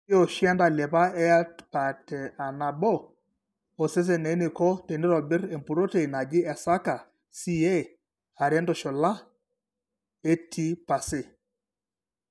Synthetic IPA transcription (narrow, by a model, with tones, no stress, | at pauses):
o˨ʃjɛ˦nda˨lɛ˨pa˦ɛ˦ja˦tpa˨tɛ˨a˨na˨bɔ˦ | o˨se˦s̬e˨ne˨˦nɪ˨kɔ˦te˨ne˦ɾɔ˨bɪ˦ɾe˨mpu˨ɾo˦te˨i˨na˨ɡɪ˦ɛ˨sa˦ka˨ | si˦e˦ | a˨ɾjɛ˦ndɔ˨ʃɔ˨la˦ | e˦tʰi˦pa˨sɪ˦˨